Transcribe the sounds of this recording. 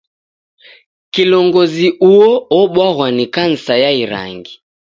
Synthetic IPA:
kilɔŋɡɔziuɔɔɓwaɣwanikan̩sajaiɾa̰ŋɡi

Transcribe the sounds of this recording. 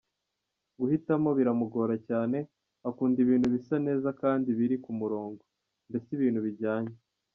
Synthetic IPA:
ɡuhitamo̞βiɾamuɡo̞ːɾacaːne̞ | akuːndiβiːnhuβisane̞ːzakaːndiβiɾikumuɾo̞ːŋɡo | nbe̞siβiːnhuβiɾɟaːɲe

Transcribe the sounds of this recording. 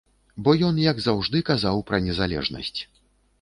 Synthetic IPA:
bɔjɔnjɐɡzawʐd̪ɨkazawpɾɐnʲɛzalʲɛ̰ʐnɐ̰sʲt͡sʲ

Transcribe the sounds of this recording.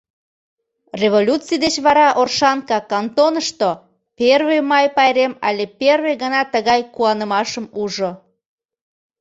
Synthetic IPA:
reβolʲut͡sijd̪et͡ɕβɑɾɑʔorʃɑnkɑkɑnt̪onəʃt̪o | perβemɑjpɑjɾemɑ̰lʲeperβeɣənɑt̪əɣɑjkuɑnəmɑʃəmuʒo

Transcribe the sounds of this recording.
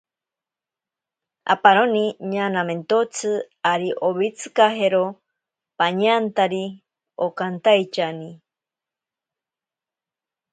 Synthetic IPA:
a̰paɾoniɲanament̪ot͡sʰɨ | aɾiʔoβit͡sʰɨkaɦeɾo | paɲant̪aɾi | okant̪ajt͡ʃani

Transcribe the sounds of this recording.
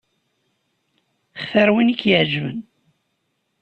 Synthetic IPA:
χθæɾwinikːjəʕd͡ʒvən

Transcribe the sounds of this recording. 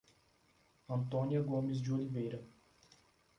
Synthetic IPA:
ɐ̃nt̪õniɐɡõmɪz̬d͡ʒɪolivejɾɐ

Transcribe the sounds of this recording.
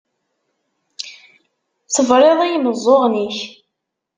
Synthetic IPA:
θəvɾˤeðˤijməzˤːoʁniç

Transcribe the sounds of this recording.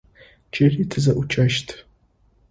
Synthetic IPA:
t͡ʃʼɐritʰɨzɐʔʷʊt͡ʃʰʼɐʃtʰ

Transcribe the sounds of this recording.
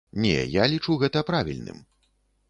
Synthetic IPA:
nʲɛ̰jalʲit͡ʂuɣɛt̪ɐpɾavʲḭlʲnɨ̰m

